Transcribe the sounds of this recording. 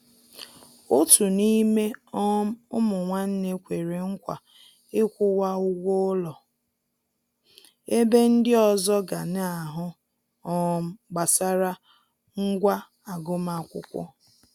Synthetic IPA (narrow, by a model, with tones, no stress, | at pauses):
ʊ˦tu˨ni˦me˦ɔ˦m˦ʊ˦mʊ˨ŋʷa˦n̩˦ne˦kʷe˨ɾe˨ŋ̩˦kʷa˨ | ɪ˦kʷʊ˦wa˦ʊ˦ɡʷʊ˦ʊ˦lɔ˨ | e˦be˦n̩˦dɪ˦ɔ˨zɔ˦ɡa˨n˦a˨ɦʊ˦ | ɔ˦m̩˦ɡ͡ba˨sa˦ɾa˦ | ŋ̩˦ɡʷa˦ | a˨ɡʊ˦ma˨kʷʊ̰˦kʷʊ̰˦